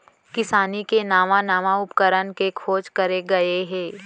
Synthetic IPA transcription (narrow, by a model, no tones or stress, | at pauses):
kɪsaːnikenaːʋãnaːʋaʊpkəɾənkekʰoːd͡ʒkɐɾeɡɐeɦɛ̃ː